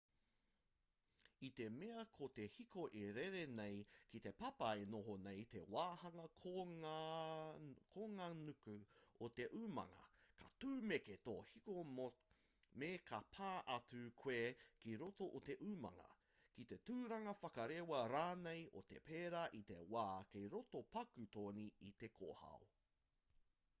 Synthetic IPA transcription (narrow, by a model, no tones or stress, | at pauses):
it̪e̞meɐkʰot̪ehikoʔeɾeɾenejkit̪e̞pɐpɐenoɦonejt̪ḛwaːhɐŋɐkʰo | kʰoŋanukʉot̪eʔuːmɐ̰ŋɐ̰kɐt̪uːmeket̪o̰ːhiko | mekʰɐpʰaːʔɐtʉkʰweːkiɾot̪o̞ʔot̪e̞ʔuːmɐ̰ŋɐ̰ | kit̪e̞t̪uːɾɐŋɐfɐkɐɾewɐɾaːnejot̪epeːɾaʔit̪e̞̰waːkejɾot̪opɐkʉt̪oːniit̪e̞kʰo̰hɐ̰o